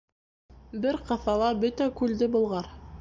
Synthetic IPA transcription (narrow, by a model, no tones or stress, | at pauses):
bɘɾqɤ̆θɑlˠɑbɵt̪ækʉld̪ɘbŏlˠʁɑɾ